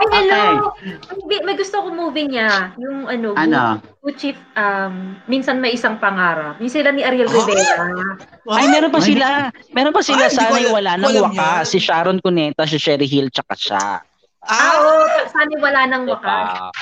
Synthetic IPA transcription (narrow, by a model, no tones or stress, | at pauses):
ʔɐjɐnomɐbɪmɐjɡʊst̪okomuːvɪɲajʊŋʔɐno̞ɡɐnout͡ʃifʔɐmːinsɐnmɐjʔɪsaŋpɐŋaːɾɐp̚jʊŋsɪlamiʔɐɾɛlɾɪvɛːt̪ɐ | ʔɐjmɛːɾonpɐsɪlamɛːɾonpɐsɪlasːnɐjwɐlanɐŋwɐkasɪʃaːɾonkonɛːt̪ɐʃ̬ɐʃɛɾɪɦilt͡ʃɐka̰ʃa̰ | ʔaʔoɐsaːnɐjwɐlaːnɐŋwɐka